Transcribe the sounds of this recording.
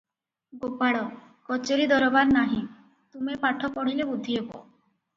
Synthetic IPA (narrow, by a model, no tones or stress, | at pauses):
ɡopaɽɔ | kɔt͡ʃeɾid̪ɔɾɔbaɾnaɦĩ | t̪umepaʈʰɔpɔɽ̤ilebud̪ʱːiebɔ̰